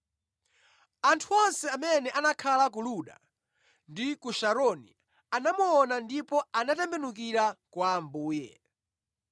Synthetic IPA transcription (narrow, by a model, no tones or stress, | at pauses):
antʰuɔnsɛamɛnɛʔanakʰalak̬uluɗa̰ | ndikuʃaɾɔnḭ | anamuɔnandipɔanatɛmbɛnuk̬iɾakwaːmbuːjɛ̰